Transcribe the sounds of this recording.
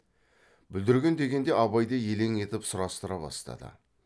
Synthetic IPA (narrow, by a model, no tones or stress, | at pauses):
bʏld̪ɪɾɡʲe̞nd̪e̞ɡʲe̞nd̪e̞ɑβɑjd̪ɑje̞le̞ŋe̞t̪ɪpsʊɾɑst̪əɾɑbɑ̰st̪ɑ̰d̪ə̰